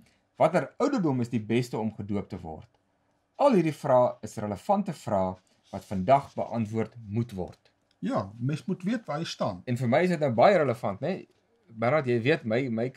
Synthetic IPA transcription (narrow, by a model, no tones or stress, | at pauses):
vɐtəɾœwdərdɔməsdibɛstəɔmχəduəp̚təvɔ̰rt | ɐlˠɦiɾdifrɑːəsrələfɐntəfrɑː | vɐtfəndɐχbə̰ʔɐntvuərtmutvɔ̰rt | jɑːmɛnsmutviətvɑːəjstɑːnɛnfərməjəsətnəwbɐjəɾələfɐntnɛ | bənɑtjɛjviətməjməj